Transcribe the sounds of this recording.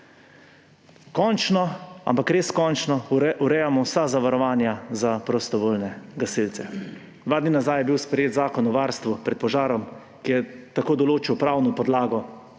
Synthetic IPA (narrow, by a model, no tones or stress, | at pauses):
kɔnt͡ʃnɔa̰mpakɾeːskɔnt͡ʃnɔuɾɛjamɔwsazaʋaɾɔʋaːnjazapɾɔst̪ɔʋoːlnɛɡasilt̪sɛ | d̪ʋaːd̪ninazajɛbiwspɾɛjeːt̪zaːkɔnɔʋaːɾst̪ʋupɾɛt̪̚pɔʒaːɾɔm | kijɛt̪akoːd̪ɔloːt͡ʃiwpɾawnɔpɔd̪laːɡɔ